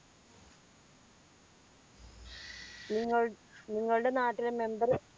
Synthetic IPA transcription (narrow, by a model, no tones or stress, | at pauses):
niŋːɐɭniŋːɐɭuɽenaːʈːileme̞mbɐr